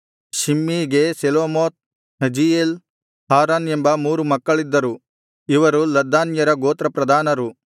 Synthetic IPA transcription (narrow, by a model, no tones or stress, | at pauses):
ʃimːiːɡe̞seloːmoːt̪̚ | ɦɐd͡ʒijel | haːɾaːnembɐmuːɾumɐkːɐɭid̪ːɐɾu | iʋɐɾulɐd̪ːaːnjɐɾɐɡoːt̪ɾɐpɾɐd̪ʱaːnɐɾu